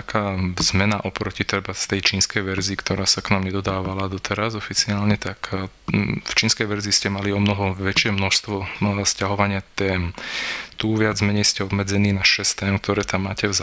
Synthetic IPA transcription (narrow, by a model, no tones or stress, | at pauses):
akʰaːz̥mɛnaʔɔpɾɔcit̪ɾɛbast̪ɛjt͡ʃiːnskɛjʋɛɾziːkt̪ɔɾaːsaknaːmɲɛd̪ɔd̪aːʋalad̪ɔt̪ʰɛɾazɔfit͡siaːlɲɛt̪ak | ft͡ʃiːnskɛjʋɛɾziːscɛmaliɔmnɔɦɔʋɛt͡ʃɪɛmnɔʃst̪ʋɔscaɦɔʋaɲɪat̪ɛːmt̪uːʋɪad͡zmɛɲɛjscɛɔbmɛd͡zɛniːnaʃɛst̪ɛːmk̚t̪ɔɾɛːt̪amːaːcɛz